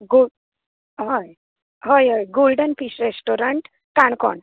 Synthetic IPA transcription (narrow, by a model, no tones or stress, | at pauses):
ɡo | ɦəj | ɦəjɦəjɡolɖənpisɾesʈoɾəɳʈ | kaɳkɔ̰ɳ